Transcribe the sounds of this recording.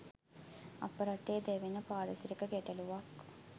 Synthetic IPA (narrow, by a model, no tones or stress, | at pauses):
ɐ̰pːɐɾɐʈːeːd̪eʋinɐpaːɾɐsiɾikːɐkeʈːɐluʋaːk